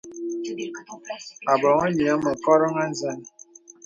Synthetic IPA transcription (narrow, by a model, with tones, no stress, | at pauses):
a˨bɔ˨ŋə˦ɲi˨a˦mə˨kɔ˦ɾɔ˦ŋa˦n˦zɛ˦˨n˨